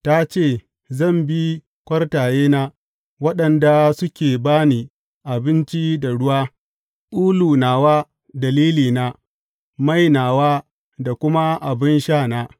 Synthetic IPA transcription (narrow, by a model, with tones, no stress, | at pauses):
ta˦t͡ʃeː˦˨ | zɐ˦˨mbi˦ | kʷɐ˦rtaː˨jeː˦naː˦ | wɐ˦ɗɐ˨nda˨sʊ˦kʲeː˨baː˦niː˨ | ʔa˨bɪ˦nt͡ʃi˦da˨ɽʊ˦waː˦ | ʔuː˦luː˨naː˨waː˦ | dɐ˨liː˦liː˨naː˦ | ma˦˨jnaː˨waː˦ | da˨kʷʊ˦ma˦ʔa˨bɪ˦nʃaː˦˨naː˦